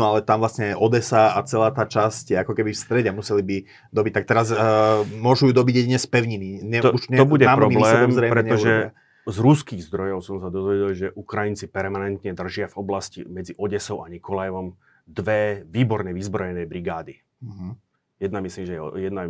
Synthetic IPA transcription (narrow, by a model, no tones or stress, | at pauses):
nɔalɛt̪amʋlasɲɛɛʔɔd̪ɛsaat͡sɛlaːt̪aːt͡ʃascɛakɔkɛbifst̪ɾɛɟɛmusɛlibi | d̪ɔbic̚t̪ak̚t̪ɛɾaz | mʊɔʒujud̪ɔbiɟjɛɟ̪iɲɛspɛʊɲiniɲɛtuʃɲɛɔbuɟɛaːmɾɔmiblsɛɛmzɾɛːmɾɛɲɛɔuʒɾɔɛa | zɾuskiːɣzd̪ɾɔjɔʊsɔmsad̪ɔzʋɛɟɛlʒɛʔukɾajint͡sipɛɾmanɛnt̪ɲɛd̪r̩ʒɪavɔblascḭmɛd͡ziʔɔɟɛsɔʊʔaɲikɔlajʋɔm | d̪ʋɛʋiːbɔɾɲɛʋizbɾɔjɛnɛjbɾiɡaːd̪i | ɦ̩ | jɛd̪namisliːmʒɛjɛ̰jɛd̪na